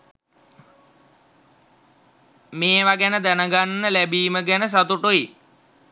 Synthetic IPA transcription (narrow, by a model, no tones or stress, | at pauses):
meːʋaɡænəd̪ænəɡanːəlæbiːməɡænəs̬at̪uʈui